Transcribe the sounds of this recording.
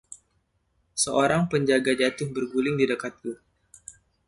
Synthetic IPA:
səoɾaŋpəɲd͡ʒaɡad͡ʒat̪ʊhbərɡulɪŋdidəkat̪̚ku

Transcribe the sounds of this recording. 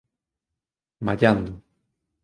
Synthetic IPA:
maʎand̪ʊ

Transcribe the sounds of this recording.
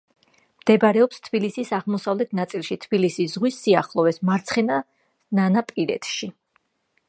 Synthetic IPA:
md̪̥ɛbaɾɛɔpst̪ʰbilisisaʁmɔsavlɛt̪ʰnat̪sʼilˠʃit̪ʰb̥ilisisz̥ʁwisːiaχlˠɔvɛsmaɾt̪sʰχɛna | nanapʼiɾɛ̰t̪ʰʃi

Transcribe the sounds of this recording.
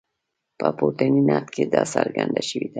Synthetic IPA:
pəpot̪aninɑt̪kʰed̪ɑsaɾɡand̪aʃəwid̪a

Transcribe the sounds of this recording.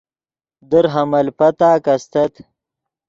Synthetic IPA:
d̪əɾɦɐmɐlpɐt̪aːkɐst̪ɐt̪

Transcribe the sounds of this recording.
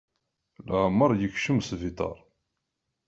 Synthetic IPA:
lʕmːəɾˤjəkʃəmsvit̪ˤɑ̰ɾˤ

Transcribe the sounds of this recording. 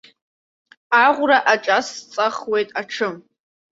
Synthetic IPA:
aʁʷʊɾaʔaʈ͡ʂʼast͡sʼaχwejtʼaʈ͡ʂʰɨm

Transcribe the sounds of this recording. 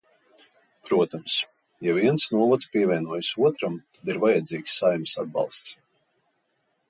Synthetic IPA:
pɾuɔt̪ams | javiɛnsnuɔvɔt̪spiɛvʲɛnuɔjsuɔt̪ɾamt̪ad̪iɾvajad̪ziːksːajmʲisa̰d̪̚bɑ̰lˠst̪s

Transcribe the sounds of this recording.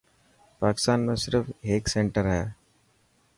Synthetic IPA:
paːkɪ̥st̪aːnmẽsɪɾəfʰeːksẽɳʈəɾɦɛː

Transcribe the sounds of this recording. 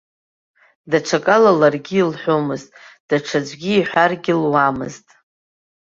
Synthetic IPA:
daʈ͡ʂʰakʼalalarɡʲiːlħʷomɨztʼd̥aʈ͡ʂʰad͡ʒʷɡʲiːħʷarɡʲilwamɨ̰ztʼ

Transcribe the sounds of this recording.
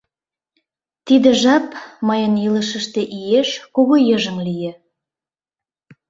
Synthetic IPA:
t̪id̪ĕʒɑpmɑjənjɯləʃə̆ʃt̪ĕʔijeʃkoɣojəʒə̆ŋlijĕ

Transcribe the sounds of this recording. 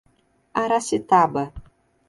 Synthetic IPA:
aɾasit̪abɐ

